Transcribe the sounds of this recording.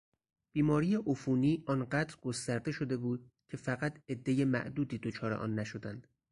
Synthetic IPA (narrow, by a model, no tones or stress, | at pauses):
b̥iːmɒːɾijeʔofuːniːʔɒːnɢæːd̪ɾɡo̞st̪æɾd̪e̞ʃo̞d̪e̞buːd̪̚ | cʲʰe̞fæɣæt̪ʰe̞d̪ːe̞jemæ̰ʔd̪uːd̪iːd̪ot͡ʃʰɒːɾeʔɒ̰ːnːæʃo̞d̪ænd̪̥